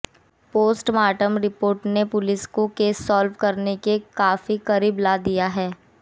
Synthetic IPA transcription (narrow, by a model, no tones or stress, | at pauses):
poːsʈmaːʈəmɾɪpoːɾʈnepʊlɪskokeːsːɔːlʋkɐɾnekekaːfikɐɾiːblaːd̪ijaɦɛː